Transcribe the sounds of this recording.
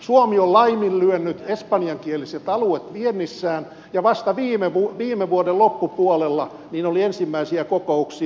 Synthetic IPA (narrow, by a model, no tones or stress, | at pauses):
suomiollɑimillyønːyt̪espɑnjɑŋkieliset̪ɑluet̪ʋienːisːæːn | jɑʋɑst̪ɑʋiːmeʋuʋiːmeʋuodellopːupuolelːɑ | niːnoliensimːæisiækokouksi